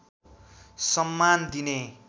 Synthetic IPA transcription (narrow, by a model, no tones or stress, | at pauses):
sʌmːand̪ine